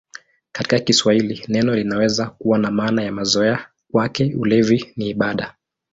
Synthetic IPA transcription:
kḁti̥kakiswahilinɛnɔlinawɛzakuwanamaːnajamazɔɛa | kwakɛulɛviniːɓaɗa

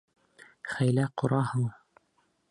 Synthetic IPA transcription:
χæjlæqŏɾɑhɤɴ

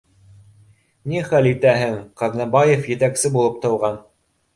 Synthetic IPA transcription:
niχælit̪æɦɘŋqɑðnɑbɑjefjɘ̆t̪æksɘbulˠɤp̚t̪ɤ̆wʁɑn

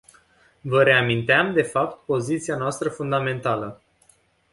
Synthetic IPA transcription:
vəɾe̞amint̪eamd̪e̞fapt̪po̞zit̪sianoast̪ɾəfund̪ame̞nt̪alə

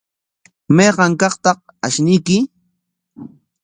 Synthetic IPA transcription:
mɑjɢɑŋkɑqt̪ɑq̚ | aʃnɪjkɪ

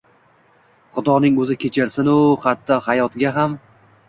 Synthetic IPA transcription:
χʊd̪ɒnɪŋɵzɪkʲʰet͡ʃʰɪɾsɪnʊχat̪ʰːɒhajɒt̪ɡʲaɦam

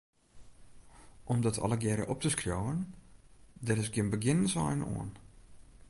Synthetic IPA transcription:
ʔɔmdɔtʰɔ̰lˠəɡjɛɾə̰ʔɔp̚təskrjowən | dɛrɪs̬ɡjɪnbəɡɪnənsa̰jənṵən

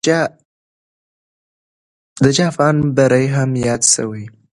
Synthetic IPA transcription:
d̪əd͡ʒɑfɑnbaɾajɦamjɑd̪ʃə̰wəj

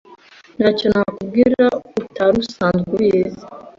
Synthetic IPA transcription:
naconakub̚ɡiɾautaɾusaːnzɡujezi

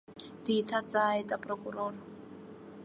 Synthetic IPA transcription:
diːtʰat͡sʼaitʼapʼrɔkʼurɔːrɔ

